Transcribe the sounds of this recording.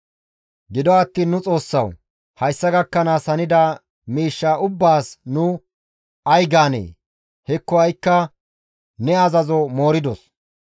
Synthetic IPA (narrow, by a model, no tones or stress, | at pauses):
ɡɪd̪ɔɐt̪ːiːnːʊt͡sʼo̞ːsːɐw | hɐjsːɐɡɐkːɐnaːsɐnɪd̪aː | miːʃːaːʊbːaːsnʊ | ʔɐjɡaːnḛː | hɛkːɔɐjkːɐ | nɛɐzɐzɔmo̞ːɾɪd̪ɔs